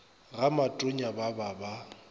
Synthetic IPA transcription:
ɣamatʼʊɲabababa

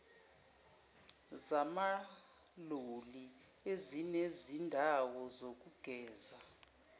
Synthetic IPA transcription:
zama | loliezinezindʱawɔzok̬ʼuɡ̥ʱɛːza

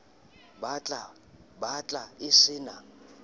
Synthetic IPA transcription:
bat͡ɬʼa | bat͡ɬʼaɪsɪːna

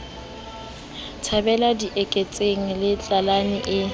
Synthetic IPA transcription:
tʰabɛladiʔɛkʼet͡sʼeŋ̩lɪt͡ɬʼalanɪʔɪ

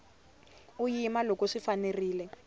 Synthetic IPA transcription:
ujimalokɔʂifaneriːlɛ

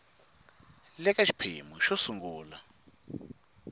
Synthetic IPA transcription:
lɛkaʃi̥pʰḛmuʃɔsuŋɡuːla

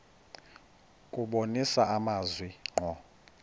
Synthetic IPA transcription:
kʼuɓonisaʔamazwiŋ͡ǃɔ

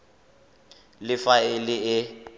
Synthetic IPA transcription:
lɪfaelɪɪ

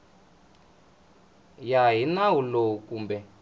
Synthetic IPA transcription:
jaɦinawulowukuːmbɛ

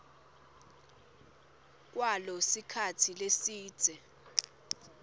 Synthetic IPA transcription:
k̬ʼwalɔsikʰatʰilesiːd̥z̥ʱɛ

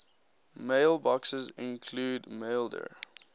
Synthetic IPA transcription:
meɪlˠbɔksəzɪ̰̃nkʰluːdmeɪlˠdə̰

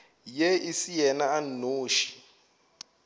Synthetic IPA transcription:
jeisijɛnaannoːʃi̥

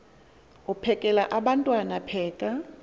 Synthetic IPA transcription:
upʰɛkʼɛlaʔaɓantʼwanapʰɛːkʼa

